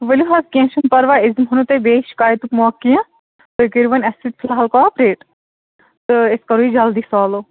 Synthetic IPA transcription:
ʋəluɦɐzkʲẽːʃɐnpɐɾʋaɪzmɦɐnut̪ebeːʃkaːjt̪ukmoɐkːijã | t̪ɨkiɾʋɐnɐsit̪̚fʰlaɦɐlkɔːpɾeːʈ | t̪ɨɪskɐɾuid͡ʒɐld̪iːsɔːlo

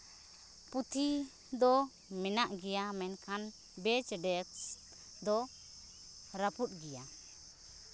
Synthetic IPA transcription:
put̪ʰi | d̪ɔ | mɛnaʔɡɛjamɛnkʰan | bɛt͡ʃɖɛks | d̪ɔ | ɾaput̪̚ˀɡɛja

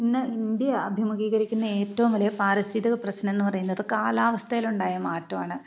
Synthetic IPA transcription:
pinːɨind̪jɐːbʱimɐɣiːɣɐɾikʲːunːɐe̞ːtːɐʋumʋɐlɐjɐpaːɾist̪ʰit̪iɣɐprɐɕnɐme̞nːɨpɐrɐjunːɐðɨkaːlaːʋɐst̪ʰɐjiluɳɖaːjɐmaːtːɐmaːɳɨ

